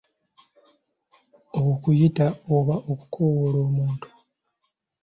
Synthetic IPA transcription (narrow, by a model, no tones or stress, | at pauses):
oβokujitaoβaʔoku̥kʰowolo̞ːmuːntu̥